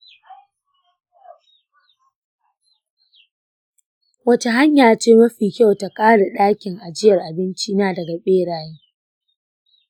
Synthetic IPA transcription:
wɐ˦t͡ʃa˦ɦa˦ɲjaː˨t͡ʃeː˦mɐ˦ɸiː˨kʲa˦wta˨kʼaː˦ɽa˨ɗaː˦kʲɪ˨ŋʔa˨d͡ʒɪ˦jɐ˨rʔa˨bɪ˦nt͡ʃiː˦naː˦dɐ˨ɡa˨ɓeː˦ɽaː˨jiː˦

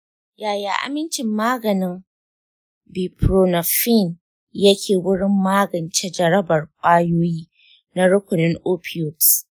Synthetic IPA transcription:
jaː˨jaː˨ʔa̰˨mɪ˦nt͡ʃɪ˨mːaː˦ɡɐ˨nɪ˦ŋ | bi˨pɾo˨na˨fi˦˨n | jɐ˦kʲʰeː˨wʊ˦ɽɪ˦mːaː˦ɡɐ˨nt͡ʃe˦d͡ʒɐ˨ɾɐ˦bɐ˨rkʷʼaː˦joː˦jiː˦ | na˦ɾʊ˦kʷʊ˨nɪ˦ŋʔoː˦pʰɪ˨jo˨t

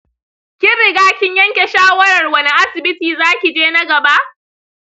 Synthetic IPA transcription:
kʲɪ˦ɾɪ˨ɡaː˦kʲɪ˦ɲjɐ˦ŋkʲe˨ʃaː˦wɐ˦ɽɐ˨rwɐ˦ni˦ʔa˦sɪ˨bɪ˦tiː˨zaː˦kʲi˨d͡ʒeː˦nɐ˦ɡɐ˨ba˦ʔ

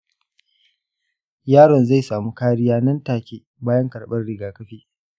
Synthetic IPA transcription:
jaː˦ɽɔ˨nza˦˨jsaː˨muː˦kaː˦ɽɪ˦jaː˦nɐ˦ntaː˨kʲeː˦ | baː˦jɐ˦ŋkɐ˨ɽɓɐ˦rɽɪ˦ɡaː˨kɐ˦ɸiː˦

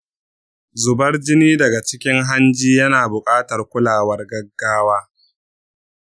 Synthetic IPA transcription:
zʊ˨bɐ˦rd͡ʒɪ˦niː˦dɐ˨ɡa˨t͡ʃɪ˦kʲɪ˦ŋɦa˦nd͡ʒiː˦jɐ˦naː˨bʊ˨kʼaː˦tɐ˨rkʷʊ˦laː˨wɐ˦rɡɐ˦ɡːaː˦waː˦

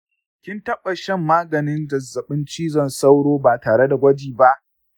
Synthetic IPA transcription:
kʲɪ˦ntɐ˦ɓa˨ʃɛ˦˨mːaː˦ɡɐ˨nɪ˦nd͡ʒɐ˨zːɐ˨ɓɪ˦nt͡ʃiː˦zɐ˦˨nsa˦wɽoː˦baː˨taː˨ɽe˦da˨ɡʷɐ˦d͡ʒiː˨ba˦ʔ

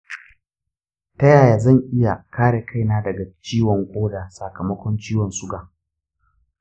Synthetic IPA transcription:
tɐ˦jaː˨jaː˨zɐ˦˨ŋʔɪ˦ja˨kʰaː˦ɽe˨kʰa˦jnaː˦dɐ˨ɡa˨t͡ʃiː˦wɔ˨ŋkʷʼoː˦daː˨sa˨kɐ˨mɐ˦kʷɔ˦nt͡ʃiː˦wɔ˨nsʊ˦ɡaː˨

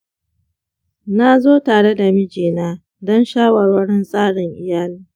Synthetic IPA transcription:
na˦zoː˦taː˨ɽe˦da˨mɪ˦d͡ʒeː˨naː˦ | dɔ˦nʃaː˦wɐ˨rwɐ˦ɽɪ˦nsʼaː˦ɽɪ˨ŋʔɪ˨jaː˦liː˦

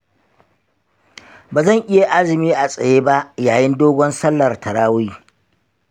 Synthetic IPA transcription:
baː˨zɐ˦˨ŋʔɪ˦ja˨ʔa˦zɪ˨miː˦ʔa˨sʼɐ˨jeː˦ba˦ʔjaː˨jɪ˦ndoː˦ɡʷɔ˦nsɐ˦lːɐ˨rtɐ˨ɽaː˦wi˦

